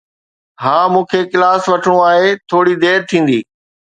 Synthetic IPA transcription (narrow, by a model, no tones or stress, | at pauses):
ɦãːmũːkʰekɪlaːsʋɐʈʰəɽ̃õaːɦet̪ʰoːɽid̪eːɾt̪ʰĩːn̆d̪iː